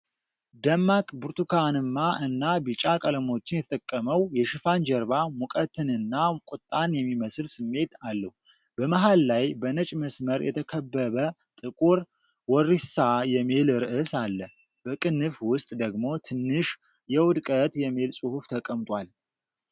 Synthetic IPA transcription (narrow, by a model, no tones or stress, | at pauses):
d̪əmːakʼbuɾt̪ʰukʰanɨmːaʔɨnːabɨt͡ʃʼakʼələmo̞t͡ʃːɪnjɛt̪ʰət̪ʰʼəkʼːəməwjɛʃɪfand͡ʒɛɾβamukʼət̪ʰɨnɨnːakʼut̪ʼːanjɛmːiməsɨlsɨmːe̞t̪alːəhu | b̥əmaɦalːajbənət͡ʃʼməsməɾjʔɛ̰t̪ʰəkʰəbːəβə | t̪ʼɨkʼuɾ | wɔrːisajɛmelɾɨʔɨsalːə | b̥əkʼɨnːɨfwʊst̪ʼd̪əɡmo̞t̪ʰɨnːɨʃ | jɛwʊd̪kʼət̪jɛme̞lsʼuhuft̪ʰəkʼːəmt̪ʼwal